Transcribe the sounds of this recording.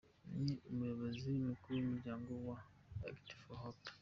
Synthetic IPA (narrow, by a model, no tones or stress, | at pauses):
niumujoβoziumukuɾuomuɾɟaːŋɡowa | a̰kti̥foɦop